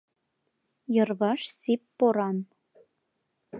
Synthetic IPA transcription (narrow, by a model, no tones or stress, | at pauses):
jɤ̆rβɑʃsipːoɾɑn